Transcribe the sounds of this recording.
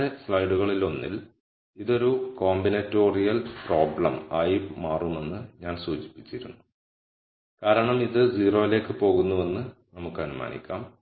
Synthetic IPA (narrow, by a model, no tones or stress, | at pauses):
eslɐjɖuɣɐɭilo̞nːḭl | iðo̞ɾuko̞ːmbinɐtːo̞ːrijɐlpro̞ːbɭɐmɐjpmaːrume̞nːɨɲaːnsuːt͡ɕi̥pːi̥t͡ɕːiɾunːu | kaːɾɐɳɐmiðɨd͡ʑiːro̞ːile̞ːkːɨpo̞ːɣunːuʋe̞nːɨnɐmukːɨɐnuma̰ːnḭkʲːa̰ːm